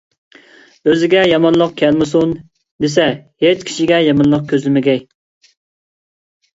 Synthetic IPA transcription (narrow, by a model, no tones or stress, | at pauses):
øzɪɡʲɛjɑmɑnlˠəq̚kʲʰɛlmɨs̬un | d̪esɛhet͡ʃkʲʰi̥ʃiɡʲɛjɑmɑnlˠəq̚kʲʰøzlɪmɪɡʲɛj